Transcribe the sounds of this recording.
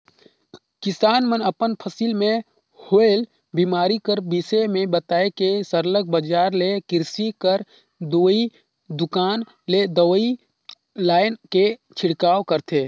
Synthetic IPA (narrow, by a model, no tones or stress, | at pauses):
kɪsaːnmənəpənpʰəsilmẽ | hoːel | biːmaːɾikəɾbisemẽbət̪aːekesəɾlək̚bəd͡ʒaːɾlekɪɾsikəɾ | d̪oːi | d̪ʊkaːn | led̪əwi | laːɪnket͡ʃʰɪɽkaːwkəɾt̪ʰeː